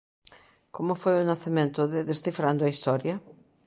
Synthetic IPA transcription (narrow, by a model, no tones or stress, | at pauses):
komʊfojʊnaθemẽnt̪ʊðɪðest̪ifɾand̪ʊɐist̪ɔɾjɐ